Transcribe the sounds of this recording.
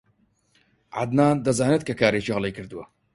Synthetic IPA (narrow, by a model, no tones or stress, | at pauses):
ʕa̰d̪naːd̪ɐzaːnɨt̪̚kʰɐkʰaːɾet͡ʃihlˠejkʰɨɾd̪ɨwɐ